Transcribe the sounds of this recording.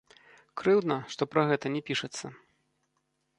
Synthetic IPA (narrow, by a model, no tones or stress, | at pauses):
kɾɨwd̪nɐʂt̪ɔpɾɐɣɛt̪ɐnʲɛpʲiʂɐt̪sːɐ